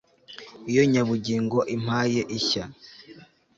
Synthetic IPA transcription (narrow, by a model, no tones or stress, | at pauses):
ijo̞ɲaβuɟiːŋɡo̞ʔim̥aːje̞ʔiça